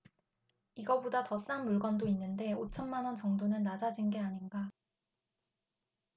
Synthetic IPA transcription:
iɡʌbodatʌs͈anmuɭɡʌndoinːɯnde̞ot͡ɕʰʌnmanwʌnt͡ɕʌŋdonɯnːad͡ʑad͡ʑinɡe̞aɲinɡa

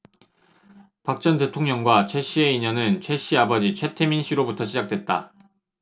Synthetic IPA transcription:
pak̚t͡ɕ͈ʌnde̞tʰoŋɲʌŋɡwat͡ɕʰe̞ɕ͈ieiɲʌnɯnt͡ɕʰwe̞ɕ͈iabʌd͡ʑit͡ɕʰwetʰeminɕʰiɾobutʰʌɕʰid͡ʑak̚t͈we̞t̚t͈a̰

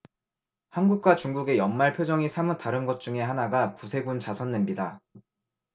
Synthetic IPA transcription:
hanɡuk̚k͈wat͡ɕuŋɡuɡe̞jʌnmaɭpʰjod͡ʑʌŋisʰamɯtaɾɯnɡʌt̚t͡ɕ͈uŋe̞ɦanaɡakusʰe̞ɡunt͡ɕasʰʌnːe̞mɲida

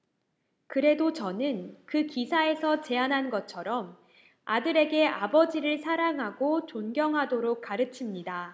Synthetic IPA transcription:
kɯɾe̞dot͡ɕʌnɯnkɯkisʰae̞sʰʌt͡ɕe̞anɦanɡʌt͡ɕʰʌɾʌm | adɯɾe̞ɡe̞abʌd͡ʑiɾɯɭsʰaɾaŋɦaɡot͡ɕonɡjʌŋɦadoɾok̚k͈aɾɯt͡ɕʰimɲida

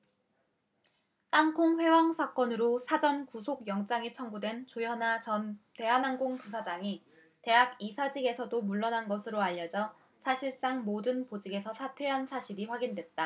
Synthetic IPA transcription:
t͈aŋkʰoŋɸwe̞waŋsʰak͈ʌnɯɾosʰad͡ʑʌnkusʰoɡjʌŋt͡ɕ͈aŋit͡ɕʰʌŋɡudwe̞nt͡ɕojʌnat͡ɕʌnte̞ɦanaŋɡoŋpus̬ʰad͡ʑaŋi | te̞ɦaɡisʰad͡ʑiɡe̞sʰʌdomuɭːʌnanɡʌsʰɯɾoaʎːʌd͡ʑʌ | sʰaɕʰiɭs͈aŋmodɯnpod͡ʑiɡe̞sʰʌsʰatʰwe̞ɦansʰaɕʰiɾiɸwaɡindwe̞t̚t͈a

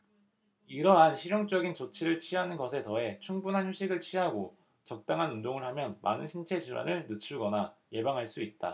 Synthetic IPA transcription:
iɾʌɦanɕʰiɾjoŋt͡ɕ͈ʌɡint͡ɕot͡ɕʰiɾɯɭt͡ɕʰiɦanɯnɡʌsʰe̞tʌe̞t͡ɕʰuŋbunɦançjuɕʰiɡɯɭt͡ɕʰiɦaɡo | t͡ɕʌk̚t͈aŋɦanundoŋɯɭhamjʌnmʔa̰nɯnɕʰint͡ɕʰe̞d͡ʑiɭwa̰nɯɭnɯt͡ɕʰuɭɡʌnaje̞baŋɦaɭs͈uit̚t͈a̰

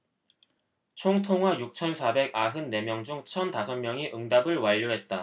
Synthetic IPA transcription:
t͡ɕʰoŋtʰoŋɦwajuk̚t͡ɕʰʌnsʰabe̞ɡaɦɯnːe̞mjʌŋd͡ʑuŋt͡ɕʰʌntasʰʌnmjʌŋiʔɯŋdabɯɭwaʎːoɦe̞t̚t͈a

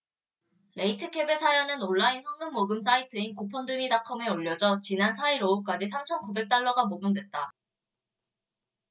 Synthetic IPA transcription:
le̞itʰɯkʰe̞be̞sʰajanɯnoɭːainsʰʌŋɡɯmːoɡɯms̬͈ʰaitʰɯinkopʰʌndɯmidakʰʌme̞oʎːʌd͡ʑʌt͡ɕinansʰaiɾouk̚k͈ad͡ʑis̬ʰamt͡ɕʰʌnkube̞k̚t͈aɭːʌɡamoɡɯmdwe̞t̚t͈a

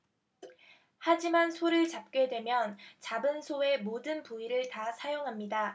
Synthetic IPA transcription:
had͡ʑimansʰoɾɯɭt͡ɕap̚k͈e̞dwe̞mjʌnt͡ɕabɯnsʰoe̞modɯnpuiɾɯɭtasʰajoŋɦamɲida

